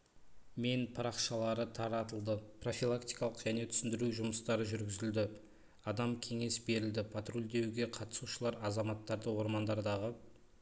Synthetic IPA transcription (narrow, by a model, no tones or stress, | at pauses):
me̞npʰɑɾɑqʃɑlˠɑɾət̪ʰɑɾɑt̪əlˠd̪əpro̞filˠakt̪ijkɑlˠəqʒæne̞t̪ʰʏ̥sɪnd̪ɪɾuʒʊməst̪ɑɾəʒʏɾɡʲɪzɪld̪ɪ | ɑd̪ɑmkʲʰe̞ŋe̞sbe̞ɾɪld̪ɪpʰat̪rulʲd̪e̞wɡʲe̞qʰɑt̪ə̥suʃəlˠɑɾɑzɑmɑt̪ːɑɾd̪əwo̞ɾmɑnd̪ɑɾd̪ɑʁə